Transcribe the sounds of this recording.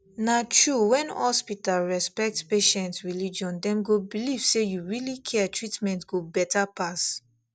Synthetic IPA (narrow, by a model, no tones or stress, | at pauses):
natɹuwɛ̃nhɔspitalɹɛspɛk̚tspeʃɛ̃ntɹilid͡ʒɔ̃ndɛ̃mɡobiliv̥sejuɹilikʰɛtʰɹitmɛ̃ntɡobɛtapʰas